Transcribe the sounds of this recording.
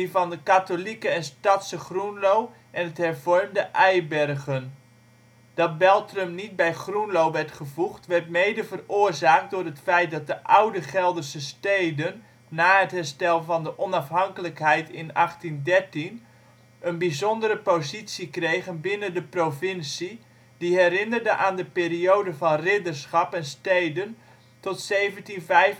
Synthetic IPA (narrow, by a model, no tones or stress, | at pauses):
ivɑndəkatolikəɛnstɑtsəχrunlow | ʔɛnɦətɦɛrvɔrmdəʔɛjbɛrɣən | d̥ɑt̚bɛlˠtrəmnit̚bɛjχrunlowʋɛrtχəvuχtʋɛɹtmejdəvərʊːrzaːk̚t̚dʊrɦətfɛjt̚dɑt̚dəʔawdəχɛlˠdərsəstejdənː | aːətɦɛrstɛlˠvɑndəʔɔnɑfɦɑŋkələkɦɛjtɪnɑχtindɛrtin | ənbizɔndərəpowzitsikrejɣənbɪnəndəprovɪnsi | d̥iɦɛɾɪnərdəʔaːndəpeːriowdəvɑnrɪdərsχɑpɛnstejdən | tɔtsejvəntinvɛjf